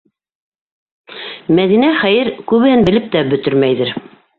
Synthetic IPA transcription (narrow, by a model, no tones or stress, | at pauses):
mæðinæχæjɘɾkʉβɘ̆hɘnbɘ̆lɘp̚t̪æbɵ̆t̪ɘ̆ɾmæjðɘɾ